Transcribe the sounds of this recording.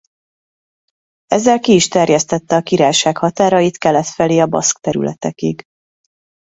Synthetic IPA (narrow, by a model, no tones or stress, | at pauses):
ɛzːɛlkiːʃt̪ɛrjɛst̪ɛt̪ːɛɒkiɾaːjʃaːkhɒt̪aːɾɒjit̪kɛlɛt̪fɛleːɒbɒ̰skt̪ɛɾy̰lɛ̰t̪ɛkiɡ